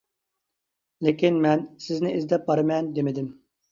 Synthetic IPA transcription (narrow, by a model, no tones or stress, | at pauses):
lekʲinmɛnsɪznɪʔizd̪ɛp̚bɑɾɨmɛnd̪emɪd̪ɪm